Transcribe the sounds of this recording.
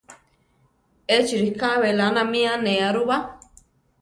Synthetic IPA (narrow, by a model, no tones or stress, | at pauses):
et͡ʃiɾikaβelanãmĩãnẽaɾuβa